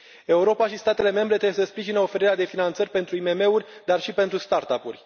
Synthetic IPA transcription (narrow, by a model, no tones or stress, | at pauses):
e̞uɾo̞paʃist̪at̪e̞le̞me̞mbɾe̞t̪ɾeesəspɾiʒinəo̞fe̞ɾiɾead̪e̞finant̪sərʲpe̞nt̪ɾuime̞me̞urʲd̪arʃipe̞nt̪ɾust̪art̪apṵrʲ